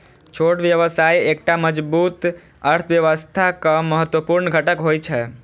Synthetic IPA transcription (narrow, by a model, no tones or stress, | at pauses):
t͡ʃʰoʈʋjəʋəsajek̚ʈaməd͡ʒbut̪ | əɾt̪ʰʋjəʋəst̪ʰakəməɦət̪wəpuɾnɡʱəʈəkɦojt͡ʃʰɛ